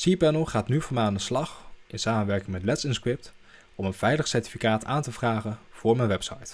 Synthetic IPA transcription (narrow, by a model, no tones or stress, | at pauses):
sipɛnəlˠχaːtnyvʊːɹmɛjaːndəslɑχɪnsaːmənʋɛɹkɪŋmɛtlɛtsɪnskɹɪp̚t | ɔmənv̥ɛjləχsɛɹti̥fikaːtaːntəvraːχənv̥ʊːɹmɛjnʋɛpsɑ̰jt